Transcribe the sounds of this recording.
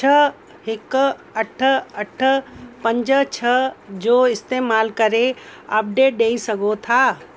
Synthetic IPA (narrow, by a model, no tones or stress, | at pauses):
t͡ʃʰə | ɦɪkəʈʰəəʈʰpə̃ɲd͡ʒət͡ʃʰəd͡ʒoːɪst̪eːmaːlkəɾeə̰p̚ɖeːʈ̚ɖeːisɐɡot̪ʰaː